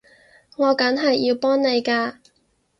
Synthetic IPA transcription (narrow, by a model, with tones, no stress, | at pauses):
ŋɔː˨˧kɐ˨˥nɦɐ˨jːiː˧wpɔː˥ŋne˨˧jkaː˧